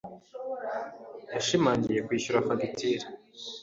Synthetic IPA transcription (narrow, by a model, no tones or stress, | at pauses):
jaʃimaːɲɟije̞kwiːɕuɾafaɡitiɾi